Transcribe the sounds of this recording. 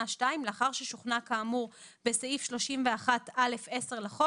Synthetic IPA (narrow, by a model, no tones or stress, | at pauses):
aʃtaimleaχaʁʃeʃuχnakaːmuʁ | beseifʃlo̞ʃimveaχatale̞fe̞se̞ʁlaχo